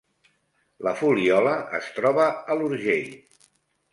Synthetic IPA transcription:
ləfuliɔləə̰st̪ɾɔβəəluɾʒeʎ

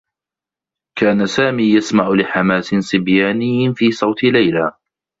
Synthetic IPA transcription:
kaːnasaːmiːjasmaʕʊlɪħamaːsɪnsɪbjaːnɪjːɪfiːsˤɑwt̪ɪlajlaː

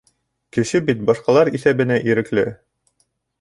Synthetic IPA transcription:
kɘ̆ʃɘbit̪̚bɑʃqɑlˠɑɾiθæβɘ̆næʔiɾɘ̆klɘ

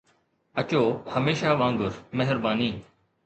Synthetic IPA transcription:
ət͡ʃoːhəmeːʃaːʋãːŋɡʊɾmeɦɪɾbaːniː

